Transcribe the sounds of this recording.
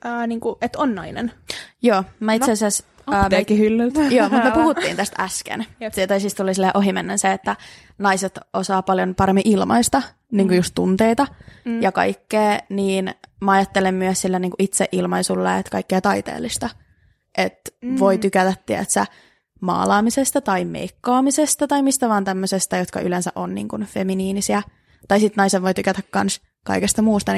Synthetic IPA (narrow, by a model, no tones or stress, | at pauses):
əːniːŋkuʔet̪onːnɑinḛnjoːmæit̪seɑsæs | ekːihylːylt̪joːmut̪møepuhut̪ːḭːnt̪æst̪æskḛnsit̪oisist̪t̪ulisilːeːʔoɦimenːenseet̪ːæ | nɑiset̪osɑːpɑljonpɑɾemːiʔilmɑ̰ist̪ɑ | niːŋkujust̪ːunt̪eit̪ɑjɑkɑ̰ikːeːniːnmɑɑjɑt̪ːelemmyəssilːæniːŋkuʔit̪seʔilmɑisulːeːet̪kɑikːeːt̪ɑit̪ḛːlːˑist̪ɑ | ʔet̪ʋoit̪ykæt̪æt̪t̪iæt̪sæ̰ | mɑ̰ːlɑːmisest̪ɑt̪ɑimḛikːɑːmisest̪ɑt̪ɑimist̪æʋɑːnt̪æmːøsest̪ɑjot̪kɑ̰ʔylensæ̰ʔonnḭːŋkunfeminiːnisiæ | t̪ɑisit̪nɑiseʋʋojt̪ykæt̪ækkɑns | kɑ̰ikest̪ɑmuːst̪ɑn